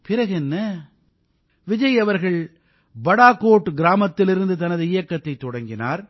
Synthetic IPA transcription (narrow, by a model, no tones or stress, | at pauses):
pɪɾɐɣɛnːɐ | ʋɪd͡ʒɐjɐʋɐɾɣɐɭ | bɐɽaːkːoːʈːɯɡɪɾaːmɐt̪ːɪlɪɾɯnd̪ɯt̪ɐnɐðɯɪjɐkːɐt̪ːɐɪt̪ːɔɽɐŋɡɪna̰ːɾ